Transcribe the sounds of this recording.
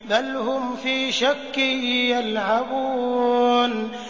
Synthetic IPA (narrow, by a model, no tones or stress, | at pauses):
balhʊmfiːʃakːjalhabuː | n